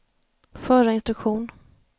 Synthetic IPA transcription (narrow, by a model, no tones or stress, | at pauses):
fœɾaɪnst̪ɾɵkɧuːn